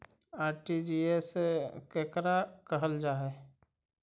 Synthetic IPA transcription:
aːɾʈid͡ʒiːesekeːkɾakəɦəld͡ʒaːɦɛ

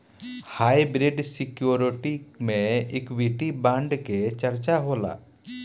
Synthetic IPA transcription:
hajbɾiɖsikjuɾiʈimẽɪkbiʈibãɳɖket͡ʃəɾt͡ʃaɦola̰

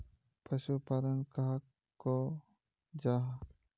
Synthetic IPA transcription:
pəʃupaɾəŋkaɦ | kːo | d͡ʒaɦa

